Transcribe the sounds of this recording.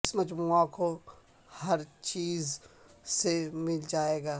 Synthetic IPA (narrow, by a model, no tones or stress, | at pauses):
smɐd͡ʒãːkʰo | hɐɾt͡ʃiːz | semɪld͡ʒaːeːɡaː